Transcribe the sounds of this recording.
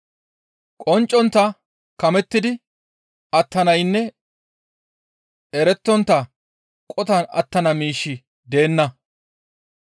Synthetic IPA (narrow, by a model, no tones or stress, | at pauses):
kʼɔnt͡ʃʼːɔnt̪ːɐ | kɐmɛt̪ːɪd̪ɪ | ɐt̪ːɐnɐjnːɛ | ɛɾɛt̪ːɔnt̪ːɐ | kʼɔt̪ɐnɐ̰t̪ːɐnɐmiːʃːɪ | d̪e̞ːnːɐ